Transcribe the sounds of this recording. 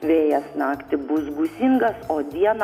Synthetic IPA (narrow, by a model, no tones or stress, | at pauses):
ʋʲeːjɛsnɑːkt̪ʲɪbʊsɡʊsʲiŋɡɐsoːd̪ʲiɛn